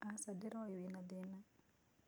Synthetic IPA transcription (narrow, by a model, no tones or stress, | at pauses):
asadɪɾɔjwinadina